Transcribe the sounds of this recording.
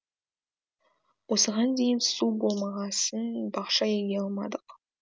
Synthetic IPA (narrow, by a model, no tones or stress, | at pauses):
wosəʁɑnd̪ejɪnsubolˠmɑʁɑsənbɑχʃɑjeɡʲeɑlˠmɑd̪əq